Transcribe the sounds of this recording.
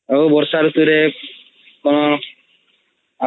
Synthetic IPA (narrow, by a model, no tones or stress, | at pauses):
oobɔɾsaɾut̪uɾe | kono | a